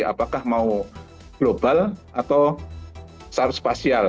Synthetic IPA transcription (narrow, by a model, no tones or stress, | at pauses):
a̰pakahmau | ɡ̥lob̥alʔat̪aw | sart̪spasial